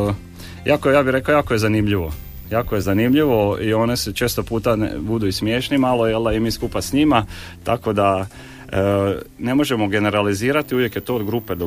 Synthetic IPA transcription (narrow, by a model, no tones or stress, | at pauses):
jʔakojaːbiɾe̞kaojaːkoje̞zanimʎiʋo | jaːko̞je̞zanimʎiʋo̞io̞ːneset͡ʃe̞ːst̪opuːt̪an̰bud̪uismjeːʃnimalojeld̪aimiːskupasɲima | t̪a̰ko̞d̪a | ne̞mo̞ʒe̞mo̞ɡe̞ne̞ɾaliziːɾat̪iuʋje̞kje̞t̪o̞ːod̪ɡɾuped̪o